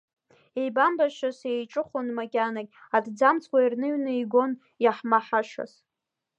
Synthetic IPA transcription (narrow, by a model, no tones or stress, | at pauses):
ejbambaʃasejʈ͡ʂʼɨχonmakʲʼanakʲʼadd͡zamt͡sʰkʷairnɨɥnɨiɡʷo̞n | jaħmaħaʃa̰s